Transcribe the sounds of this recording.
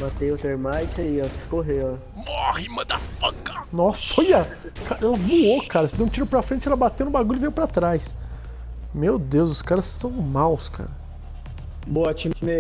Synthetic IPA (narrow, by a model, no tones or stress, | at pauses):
mat̪ejʊt̪eɾmajt͡ʃiɐsɪ̥skoɦeɔ | mɔhimɐ̃d̪afɐkɐnɔsoja | kaʔɛlɐvuokaɾɐsɪd̪ẽw̃t͡ʃiɾopɾɐfɾẽt͡ʃɪɛlɐbat̪ewnʊbaɡulʎʊɪvijwpɾat̪ɾajs | mewd̪ewzʊskaɾɐsːɐ̃w̃mawska̰ɾɐ | boɐt͡ʃĩmkime